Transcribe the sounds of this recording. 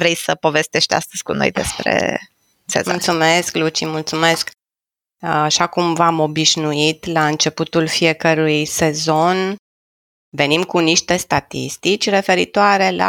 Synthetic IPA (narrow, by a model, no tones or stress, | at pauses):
vɾejsəpo̞ve̞st̪eʃt̪ea̰st̪əz̥ʲkuno̞̰jd̪e̞̰spɾḛ | sḛmullt̪sume̞sklut͡ʃḭmult̪sume̞sk | aʃakumvamo̞biʃnuit̪laɨnt͡ʃe̞put̪ulfije̞kəɾujse̞zo̞n | ve̞nimkuniʃt̪e̞st̪at̪ḭst̪it͡ʃʲre̞fe̞ɾit̪oaɾe̞la̰